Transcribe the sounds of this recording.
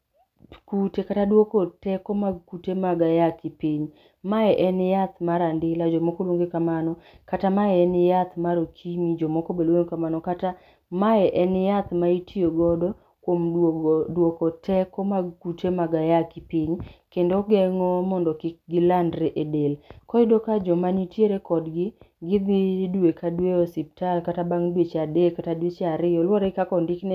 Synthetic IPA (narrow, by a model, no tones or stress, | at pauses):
kutekatadwokɔtɛkɔmakutemaɡajakɪpiɲ | maɛʔɛnjat̪maɾandɪlad͡ʒɔmɔkolwoŋɡekamanɔkatamaɛɛnjat̪maɾokʰimid͡ʒɔmɔkobelwoŋkamanɔkata | maɛʔɛnjat̪maitʰioɡɔdɔ | kwomdwokɔtʰɛkɔmakutʰemaɡajakɪpɪɲkendoɡɛŋɔmɔndɔkɪk̚ɡɪlandɾeʔedelkɔɪdokad͡ʒɔmanitjeɾekɔdɡɪɡɪdɪdwekʰadweɔsip̚talkatabaŋdwet͡ʃadekatadwet͡ʃaɾɪjɔlwɔɾekakɔndɪkne